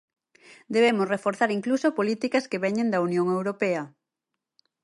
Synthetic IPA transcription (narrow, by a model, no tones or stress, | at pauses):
d̪eβ̞emosrefoɾθaɾiŋklusopolit̪ikɐskeβɛɲẽnd̪ɐunjõŋewɾopeɐ